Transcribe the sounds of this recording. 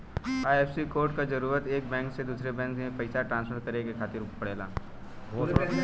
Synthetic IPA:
aːeːfsikoːɾʈkad͡ʒɐɾuːɾət̪eːk̚bɛ̃ːŋksed̪uːsɾebɛ̃ːŋkmẽpɐɪsaʈɾãːnspʰəɾkɐɾekekʰaːt̪ɪɾpɐɽeːla̰ː

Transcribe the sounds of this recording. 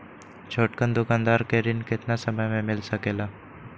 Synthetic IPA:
t͡ʃʰoːʈkənd̪ʊkaːnd̪aːɾkeɾɪnkɪt̪nasəməjmẽmɪlsəkeːlaː

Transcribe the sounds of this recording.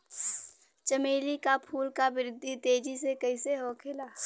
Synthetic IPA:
t͡ʃəmeːlikapʰuːlkabɪɾɪd̪ʱːit̪eːd͡ʒisekɐɪseɦokʰɪlaː

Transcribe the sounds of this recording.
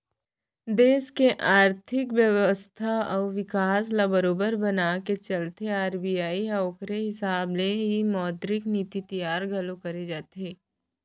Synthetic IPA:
d̪eːʃkeʔaːɾt̪ʰɪkʋjəʋəst̪ʰaɔːʋɪkaːs̬labəɾoːbəɾbɐnaːket͡ʃɐlt̪ʰeaːɾbijaːiɐʊkɾeɦɪsaːbleɦimɔːt̪ɾɪkniːt̪it̪ijaːɾɡʱɐlõkɐɾed͡ʒaːt̪eː

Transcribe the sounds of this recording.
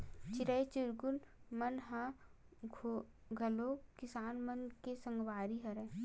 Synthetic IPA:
t͡ʃɪɾəjt͡ʃɪɾɡʊnmɐnɦã | ɡʱɐlokɪsaːnmənkesɐ̃ŋɡʋaːɾiɦɐɾɛ̃ː

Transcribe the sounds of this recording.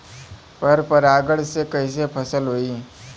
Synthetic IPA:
pɐɾpɐɾaːɡəɽsekɐis̬epʰɐsəlɦoːiː

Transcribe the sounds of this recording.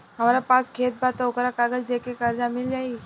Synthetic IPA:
ɦəmaɾapãskʰet̪̚bat̪aokɾakaɡəd͡zd̪ekekəɾd͡ʒamild͡ʒai

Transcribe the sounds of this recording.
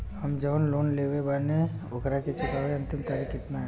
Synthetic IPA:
hɐmd͡ʒəwnloːnleːʋebane | ʊkɾaket͡ʃʊkaːʋeɐ̃nt̪ɪmt̪aːɾikɪt̪na

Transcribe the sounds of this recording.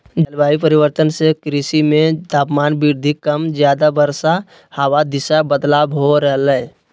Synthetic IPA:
d͡ʒəlbaːipəɾɪwəɾt̪ənsekɾisimẽt̪aːpmaːnbiɾd̪ʱikəmzjaːd̪abəɾsa | həwad̪ɪʃabəd̪laːbɦoɾɛɦləɛ

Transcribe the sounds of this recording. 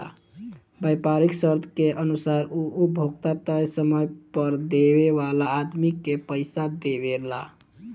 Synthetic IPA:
a̰ | bəjpaɾiksəɾt̪ʰkeʔənusaɾuubʱoɡt̪at̪əjsəməjpəɾd̪eβeʋalaːd̪mikːepəɪsad̪eβela̰

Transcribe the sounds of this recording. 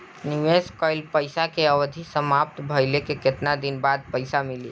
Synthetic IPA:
niʋeskəɪlpəɪsakeəʋd̪ʱisəmap̚t̪bʱəjlekeket̪nad̪inbad̪̚pəɪsamilḭ

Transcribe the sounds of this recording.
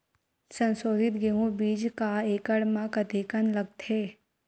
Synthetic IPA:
sə̃nsoːd̪ɪt̪ɡeɦũbiːd͡ʒkaeːkəɽmãkɐd̪ʱikənlɐɡ̚t̪ʰeː

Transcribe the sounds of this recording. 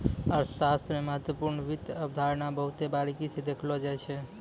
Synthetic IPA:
ɔːɾsast̪ɾəmeməɦət̪wəpuɾnəʋid̪əbd̪ʱaɾnabəɦut̪ebaɾikised̪ekʰlɔd͡ʒajt͡ʃʰɛ

